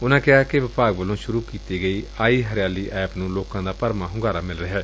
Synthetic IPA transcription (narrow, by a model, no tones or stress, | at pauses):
ʊnãːkɪaːkɪʋɪpaːɡʋəlõːʃʊɾuːkiːt̪iːɡəiːaːiːɦəɾɪjaːliːʔɛːpnũːloːkãːd̪aːpəɾmãːɦʊɡaːɾaːmɪlɾəɦɛː